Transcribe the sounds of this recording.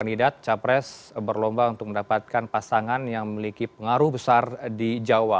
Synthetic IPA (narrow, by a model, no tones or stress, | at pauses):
andidat̪̚t͡ʃapɾɛsbərlɔmbaunt̪ʊk̚əndapat̪̚kanpasaŋanjaŋməmilikipəŋaɾubəsardid͡ʒawa